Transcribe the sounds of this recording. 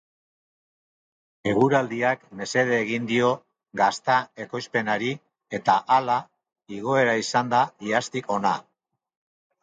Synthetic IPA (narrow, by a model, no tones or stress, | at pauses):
e̞ɣuɾald̪iakme̞se̞ð̞e̞ːɣind̪io̞ | ɡast̪ae̞ko̞jspe̞naɾi | e̞t̪aʔala | iɣ̞o̞e̞ɾaisand̪aiast̪iko̞na